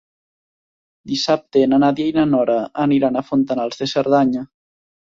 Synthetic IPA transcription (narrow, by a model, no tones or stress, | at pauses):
d̪isap̚t̪eːnanaðjajnanɔɾaːniɾanafont̪analˠzðeseɾðaɲa